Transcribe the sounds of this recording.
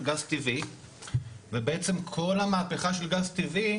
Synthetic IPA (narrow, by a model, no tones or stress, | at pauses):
ɡazt̪ivi | vebeet͡se̞mkʰo̞lamaːpe̞χaʃe̞lɡazt̪ivi